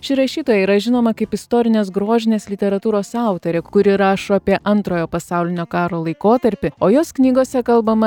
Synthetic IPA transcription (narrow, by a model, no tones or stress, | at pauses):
ʃʲɪɾɐʃʲiːt̪oːjɛiːɾɐʒʲɪnoːmɐkɐɪpɪst̪oːɾʲɪnʲeːsɡɾuɔʒʲɪnʲeːslʲɪt̪ʲɛɾɐt̪uːɾoːsɑˑʊt̪oɾʲekʊɾʲɪɾɑːʃoːɐpʲiɛʔɐnt̪ɾoːjoːpɐsɑʊlʲɪnʲoːkɑːɾoːlˠɐɪkoːt̪ɐɾʲpʲɪoːjoːsknʲiːɡoːsʲɛkɐlˠbɐmɐ